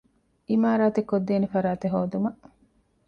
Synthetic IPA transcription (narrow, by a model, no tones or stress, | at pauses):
ʔimaːɾaːt̪ekːod̪ːeːnefɐɾaːt̪eɦoːd̪umɐʔ